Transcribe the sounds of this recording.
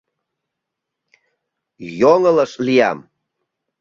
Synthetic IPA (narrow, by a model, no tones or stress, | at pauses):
joŋəlaʂʼlija̰m